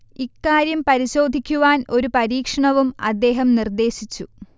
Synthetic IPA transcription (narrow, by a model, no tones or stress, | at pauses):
ikːaːɾjɐmpɐɾiɕo̞ːd̪ʱikʲːuʋaːno̞ɾupɐɾiːkʂɐɳɐʋumɐ̰d̪ːe̞ːɦɐmnird̪e̞ːɕit͡ɕːu